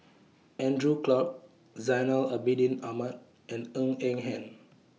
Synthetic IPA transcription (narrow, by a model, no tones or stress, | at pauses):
ɛ̃ndɹuklɔk̚ | zajnələbidĩnamət | ɛ̃nə̃ŋɛ̃ŋɦɛ̃n